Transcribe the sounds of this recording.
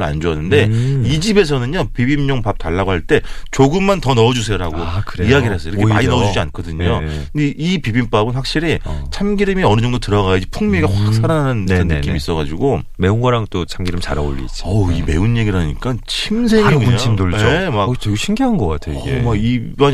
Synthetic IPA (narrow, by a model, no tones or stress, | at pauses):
ɭa̰nd͡ʑoanːɯnde̞id͡ʑibe̞s̬ʰʌnɯɲɲapibimɲʌŋpap̚taɭːaɡohaɭt͈e̞t͡ɕoɡɯmːantʌnʌʌd͡ʑusʰe̞joɾaɡokɯɾeiaɡiɾɭɦes͈ʌiɾʌkkʰeea̰ɲinʌʌd͡ʑud͡ʑiankʰʌdɯɲokɯdeipibimp͈abɯnɸwak̚ɕ͈iɾit͡ɕʰamɡiɾimiʌnɯd͡ʑʌŋdotɯɾʌɣajʌid͡ʑipʰuŋmjeɡahwak̚sʰaɾanananɯʌnːek͈imis͈ʌɣad͡ʑuɡo | me̞uŋɡaɾaŋt͈ot͡ɕʰamɡiɾimt͡ɕa̰ɾa̰o̰ʎːḭd͡ʑiʌime̞̰unje̞ɡiɾaɲik͈at͡ɕʰimsʰemimdoɭoemat͡ɕeɡuɕʰimɡiɦanɡʌk͈a̰tʰejoɡemaɡibʌɲ